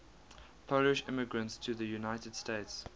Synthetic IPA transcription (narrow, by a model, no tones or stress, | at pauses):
pʰoʊlɪʃɪ̰mɪɡɹə̃ntstʰuðəjunaɪtəd̥steɪts